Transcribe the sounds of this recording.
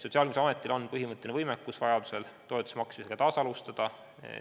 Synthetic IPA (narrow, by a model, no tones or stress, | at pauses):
so̞t̪siɑlɡmisɑme̞t̪ːˑilo̞nːpɤɦimɤt̪ːˑenevɤjmekːusvɑjɑd̪use̞lt̪oet̪u̥semɑksmiseɡɑt̪ɑːsɑlust̪ɑd̪̥ɑ̰